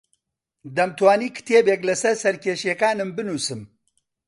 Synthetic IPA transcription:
d̪ɐmt̪waːniːkʰɨ̥t̪ʰeːbeːklɐsɐɾsɐɾkʰeːʃeːkaːnɨmbɨnuːsɨm

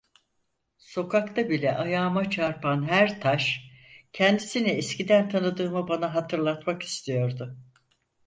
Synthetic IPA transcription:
so̞kakt̪ʰabilʲɛʔajaːmat͡ʃʰaɾpʰanɦæɾt̪ʰaʃcʰɛnd̪isinɛɛscid̪ænt̪ʰanɯd̪ɯːmɯbanaɦat̪ʰɯɾlˠat̪maki̥st̪ʰijo̞ɾd̪ʊ

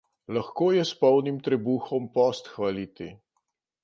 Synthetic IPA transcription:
laxkoːjɛspɔwnimt̪ɾɛbuːxɔmpɔst̪xʋalit̪i

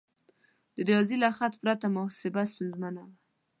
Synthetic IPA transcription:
d̪̥əɾɑzilaxat̪pɾat̪amʊsɪbast̪unzmanawa

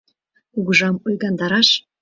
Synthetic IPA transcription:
uɣəʒɑmujɣɑnd̪ɑɾɑʃ

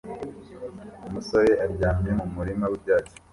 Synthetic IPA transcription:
umuso̞ɾe̞ʔaɾɟaːmiemumuɾimawibɟaːt͡ʃo̥

